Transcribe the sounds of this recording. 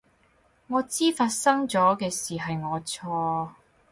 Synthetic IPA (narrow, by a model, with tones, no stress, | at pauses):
ŋɔː˨˧t͡siː˥faː˧t̚sɐ˥ŋt͡sɔː˨˥kɛː˧siː˨ɦɐ˨jŋɔː˨˧t͡sʰɔː˧